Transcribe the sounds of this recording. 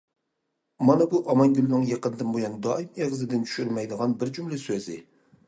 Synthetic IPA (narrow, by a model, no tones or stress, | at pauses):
mɑnɛbuʔɑmɑŋɡʲylɪnɪŋjeqənɨd̪ɨnbojɑnd̪ɑɪmeʁzɪd̪ɪnt͡ʃʰy̥ʃyɾmɛjd̪əʁɑnbɪɾd͡ʒumlɪsøzɪ̰